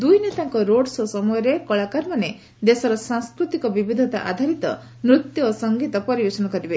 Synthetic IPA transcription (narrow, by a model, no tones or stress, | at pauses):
d̪ujnet̪aŋkɔɾoɽsɔsɔmɔjɔɾekɔɭakaɾmane | d̪esɔɾɔsaŋskɾut̪ikɔbibid̪ʱɔt̪a̰ʔa̰d̪ʱaɾit̪ɔ̰ | mɾut̪jɔːsɔŋɡit̪ɔpɔɾibesɔnɔkɔɾibe